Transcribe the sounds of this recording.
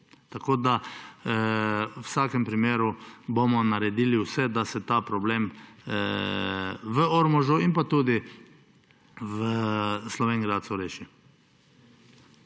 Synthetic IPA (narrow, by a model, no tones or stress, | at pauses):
t̪akoːd̪a | wsaːkɛmpɾimeːɾubomɔnaɾɛd̪iːliwsɛd̪asɛt̪aːpɾɔbleːm | ʋəɔɾmɔʒuinpat̪uːd̪i | ʋəslɔʋeːŋɡɾat̪suɾeːʃi